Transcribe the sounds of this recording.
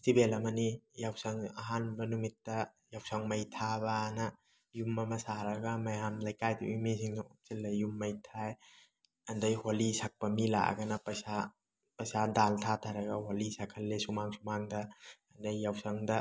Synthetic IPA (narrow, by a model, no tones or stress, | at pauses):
stibelɐmɐnijawsɐŋɐ̰ɦanbɐnumitːɐ | jawsaŋmɐjtʰabanɐ | jumːɐmɐsaɾɐɡɐmɐjamlɐjkajdṵʔimisiŋnomsilːɐjumːɐjtʰaj | ɐndɐjholisak̚pɐmila̰ʔɡɐnɐpɐjsa | pɐjsadaltʰatʰaɾɐɡɐholisakʰɐlːesumaŋsumaŋdɐɐndɐjːawsaŋdɐ